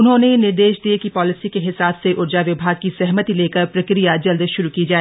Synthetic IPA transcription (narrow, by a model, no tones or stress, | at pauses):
ʊnɦõnenɪɾd̪eːʃd̪iekipɔːlɪsikeɦɪsaːbseʔʊɾd͡ʒaʋɪbʱaːɡ̚kisɛɦmət̪ileːkəɾpɾɐkɾijad͡ʒɐld̪ʃʊɾukiːd͡ʒaːeː